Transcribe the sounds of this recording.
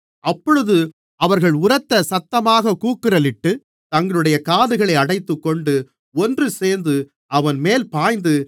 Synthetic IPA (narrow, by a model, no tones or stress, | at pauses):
ʔɐpːɔɻɯðɯ | ɐʋɐɾɣɐɭʊrɐt̪ːɐsɐt̪ːɐmaːɣɐkuːkːɪrɐlɪʈːɯ | t̪ɐŋɡɐɭɯɽɐjɐkaːðɯɣɐɭɐɪɐɽɐɪt̪ːɯkːɔɳɖɯ | ɔndrɯseːɾnd̪ɯ | ɐʋɐnmeːlpaːjnd̪ɯ